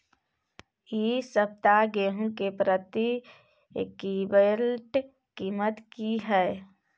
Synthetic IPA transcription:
isəp̚t̪aɡeːɦũkepɾət̪i | kiːbelʈ | kiːmət̪kiɦɛ

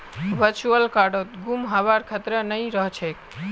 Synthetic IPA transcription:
ʋəɾt͡ʃuəlkaɾɖot̪̚ɡumɦabaɾkʰət̪ɾənəjɾəɦt͡ʃʰek

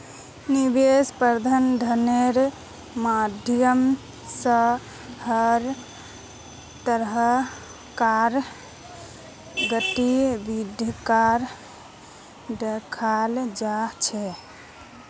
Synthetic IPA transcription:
nibespəɾd̪ʱənd̪ʱəneɾ | mad̪ʱjəm | sə | həɾ | t̪əɾɦ | kaɾ | ɡəʈibid̪ʱkaɾ | ɖ̪ekʰald͡ʒat͡ʃʰɛ

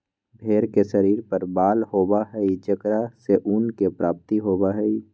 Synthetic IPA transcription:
bʱeːɾkeʃɐɾiːɾpɐɾbaːlhoːbaɦɛit͡ʃɐkɾaseʔuːnkepɾaːp̚t̪iɦoːbaɦɛi

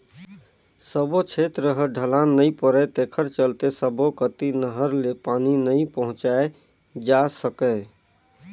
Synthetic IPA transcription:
səbot͡ʃʰet̪ɾəɦəɖʱəlanːəĩpəɾɛt̪ekʰəɾt͡ʃəlt̪esəbokət̪inəɦəɾlepaːninəĩpəɦʊ̃t͡ʃae | d͡ʒasəkɛ

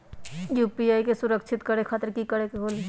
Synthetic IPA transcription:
juːpiaːikesʊɾəkʃʰɪt̪kɐɾekʰaːt̪əɾkikəɽekeɦoːli

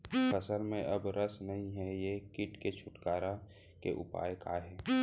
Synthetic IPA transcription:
pʰəsəlmẽʔɐbɾəsnɐɦĩɦɛjekɪʈket͡ʃʰʊʈkaːɾa | kḛʔʊ̰pa̰ːjkaɦɛː

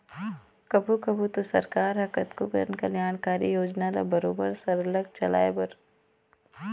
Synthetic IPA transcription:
kɐbʱukɐbʱut̪osɐ̰ɾkaːɾɦɐkət̪kokɾnkɐljaːnkaːɾijoːd͡ʒnala̰bɐɾoːbə̰ɾsɐɾləɡ̚t͡ʃɐla̰ːebɐɾ

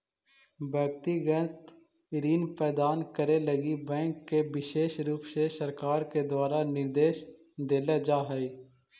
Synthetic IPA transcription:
bɛːk̚t̪iɡə̃t̪ | ɾiːnpɛːd̪aːnkəɾeləɡibɛ̃ːŋkːebɪʃeːʃɾuːpsesəɾkaːɾked̪waːɾanɪɾd̪eːʃ | d̪eːled͡ʒaːɦɛi

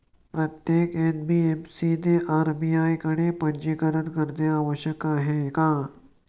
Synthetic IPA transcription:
pɾɐt̪jeːkenbiemsid̪eʔaɾbijajkəɽ̃epəɲd͡ʑikəɾəɾkəɾd̪eaːʋəɕjəkaːɦekã

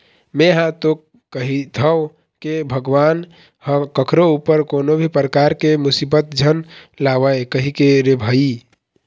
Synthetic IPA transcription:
meɦãt̪o | kəɦit̪ʰəw | kebʱəɡʋan | hə̃kəkʰɾoupəɾkonobʱipɾəkaɾkemusibət̪̚d͡ʒʱənlawəekəɦikeɾebʱəi

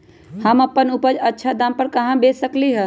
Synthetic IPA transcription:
həmɐpːənʊpəd͡ʒɐtːʃʰad̪aːmpəɾkɐɦãbeːsəkliɦə

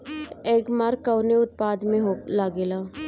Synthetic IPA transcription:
eːkmaːɾkːəwneʊt̪̚paːd̪mẽɦolaːɡeːlaː

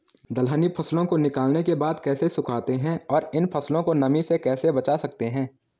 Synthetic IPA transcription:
d̪ɐlɦənipʰɐslõkonɪkaːlnekebaːd̪kɛːsesʊkʰaːt̪eɦɛ̃ɔːɾɪnpʰɐslõkonɐmisekɛːsebɐt͡ʃaːsɐkt̪eɦɛ̃ː

